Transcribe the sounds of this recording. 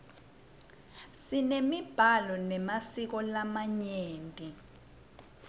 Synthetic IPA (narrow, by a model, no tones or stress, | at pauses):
sinemib̥ʱalɔnɛmasik̬ɔlamaɲeːntʼi